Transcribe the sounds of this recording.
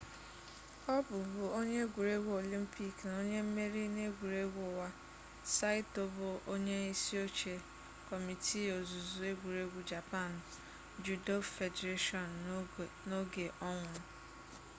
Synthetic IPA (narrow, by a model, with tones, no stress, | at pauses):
ɔ˦bʊ˨bʊ˨o˦ɲe˦ɡʷu˨ɾe˦ɡʷu˦o˨li˦m̩˦pi˦˨kna˨o˦ɲe˦m̩˦me˦ɾi˦ne˦ɡʷu˨ɾe˦ɡʷʊ˨wa˦ | sa˦ɪ˦to˦bʊ˨ʔo˦ɲe˦i˦si˦o˦t͡ʃe˨ | kɔ˨mi˨tʰi˦o˨zu˨zu˨e˦ɡʷu˨ɾe˦ɡʷu˨d͡ʒa˨pa˦˨n˨ | d͡ʒu˨do˦ffe˨de˨ɾe˦ʃɔ˦˨n̩˨ | no˦ɡe˨ʔɔ˦ŋʷʊ˨ɾʊ˦